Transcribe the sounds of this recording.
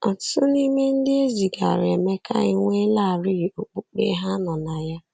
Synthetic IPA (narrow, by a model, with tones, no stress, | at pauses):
ɔ˨tʊ̥˦tʊ˦ni˦me˦n̩˦dɪ˦e˦zi˨ɡa̰˨ɾe˨me˦ka̰˦i˨ŋʷe˦la˦˨ɾi˦˨o˨k͡pu˦k͡pḛ˦ɦa˦nɔ˨na˨ja˦